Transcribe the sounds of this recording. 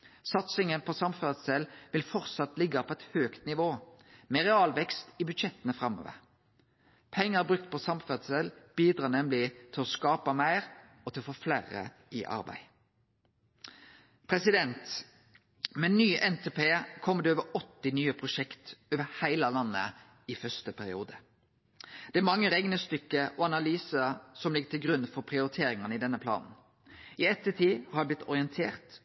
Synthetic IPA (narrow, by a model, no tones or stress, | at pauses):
sɑt̪sɪŋənpʰɔsɑmfœd̪sɛlʋɪlfɔʁt̪sɑt̪lɪɡɑpʰɔɛt̪høːkt̪nɪʋoːmɛʁɛɑːlʋɛkst̪ɪbʉd̪ʃɛt̪ːənəfʁɑmːo̰ːʋə̰ʁ | pʰɛŋːəʁbʁʉk̚t̪̚pʰɔsɑmfəd̪sɛlb̥iːd̪ɾɑːnɛmlɪt̪ʰɪlɔskɑːpɑmæɪʁ | ɔt̪ʰɪlfoːflæːɾə̰ | ʔɪʔɑ̰ɾbæ̰ɪ | pʰɾɛsɪd̪ɛnt̪ | mɛnyːʔɛnt̪ʰeːpeːkʰɔmːəd̪ɛoːʋəɾɔt̪ːɪnyːəpʰʁʊʃɛkt̪oːʋəhæɪlɑlɑnːə̰ | ɪfœst̪əpʰæɾɪuːd̪ə | d̪̥ɛæɾmɑŋːəɾɛɡnəst̪ʏkːəʔɔɑnɑlyːsəsɔmlɪɡːət̪ʰɪlɡɾʉnfɔɾpʰʁɪʊɾɪt̪ʰeːɾɪŋɑnɪd̪ɛnəpʰlɑ̰ːnn̩ | ɪɛt̪ːət̪ʰiːhɑɾdblɪt̪ʰːɔɾɪənt̪ʰeːʁt̪